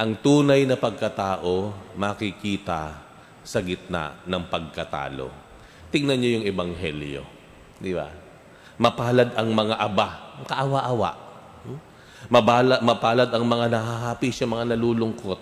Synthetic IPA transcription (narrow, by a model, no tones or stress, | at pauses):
ʔɐŋt̪uːnɐjnɐpɐɡ̚kɐt̪aːʔo̞mɐkɪkiːt̪ɐ | sɐɡɪt̪̚na̰nɐŋpɐɡ̚kɐt̪a̰ːlo̞̰ | t̪ɪŋnɐnɲojʊŋɛbɐŋɦɛ̰ljo̞̰ | d̪ɪba̰ | mɐpaːlɐd̪ɐŋmɐŋaʔɐbakɐʔɐwaʔɐwa̰ʔ | mɐbaːlɐmɐpaːlɐd̪ɐŋmɐŋanɐhaɦaːpiʃɐmɐŋanɐluːlʊŋko̞t̪̚